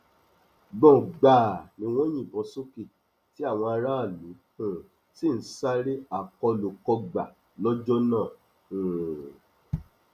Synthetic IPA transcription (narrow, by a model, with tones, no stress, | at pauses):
ɡ͡bɔ̃˨ɡ͡ba˨nĩ˧w̃ɔ̃˦j̃ĩ˦˨bɔ̃˨so˦ke˦˨ | ti˦a˦˨w̃ɔ̃˧a˧ɾa˦a˦˨lu˨˦hũ˦˨ | si˦˨n̩˨˦sa˦ɾe˦a˨kɔ˧lo˨kɔ˧ɡ͡ba˨ | lɔ˦d͡ʒɔ˦nãː˦˨